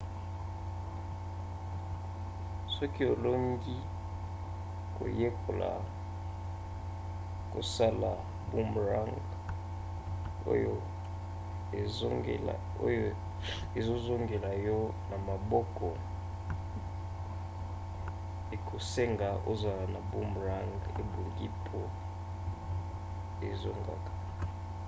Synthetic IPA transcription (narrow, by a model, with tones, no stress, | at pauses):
sɔ˦ki˦o˨lo˦ŋɡi˦ | ko̰˨je˦ko˨la̰˨ | ko̰˨sa˦la˨ | bu˦mbʁa˦ŋɡ | o̰˦jo˦ | ḛ˨˦ | o̰˦jo˦ | e˨zo˦zo˦ŋɡe˨la˨jɔ˦na˨ma˨bɔ˦kɔ˨ | e˨kʰo˨se˦ŋɡa˨o̰˦za˨la˨na˨bu˦mʁa˦ŋɡe˨bu˨ŋɡi˦pʰo˦ | ḛ˨zo̰˦ŋɡa̰˨kḁ˨